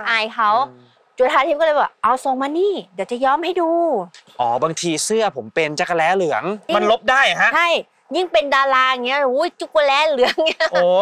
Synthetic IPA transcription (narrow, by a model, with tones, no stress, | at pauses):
ʔaː˨˩jkʰa˦˥w | t͡ɕu˨˩t̪ʰa˧˩t̪ʰi˦˩kɔː˥˩˧baː˨˩ʔa˧wso˨˦ŋmaː˧niː˥˩diː˨˦wt͡ɕa˨˩jɔː˧˥˨mha˥˩jduː˧ʔɔː˨˩˦baː˧ŋt̪ʰiː˧sɯ˥˩ɐpʰo˩˦mpe˧nt͡ɕa˨˧˩ka˧lɛː˦˥lɯ˨˩˦ɐ˦ŋi˥ma˧ŋ˧nlo˦˥p̚daː˥˩jkʰa˦˥ʔt͡ɕʰa˥˩j | ji˥˩ŋpe˧ndaː˧laː˧a˨˩ŋːi˦˥ɐ˨ɾuː˦˥jt͡ɕu˧˥˩ku˧lɛː˦˥lɯ˩˦əŋi˦˥ʔoː˩˧˩